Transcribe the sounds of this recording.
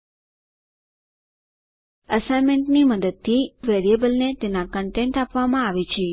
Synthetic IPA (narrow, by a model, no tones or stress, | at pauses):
əsajmeɳʈniməd̪əd̪̚t̪ʰiʋeɾiebəlnet̪enakəɳʈeɳʈapʋamãaʋet͡ʃʰe